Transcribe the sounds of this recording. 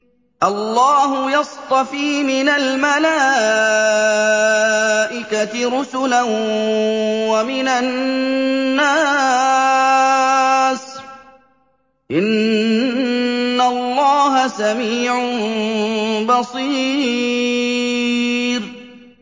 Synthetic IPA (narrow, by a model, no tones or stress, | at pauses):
ʔɑlːɑːɦʊjɑst̪ˤɑfiːmɪnalmalaː | ʔɪkaɾʊsʊla | wamɪnanː | aː | s | ʔɪn | alˤːɑːɦasamiːʕʊn | bɑsˤiː | ɾ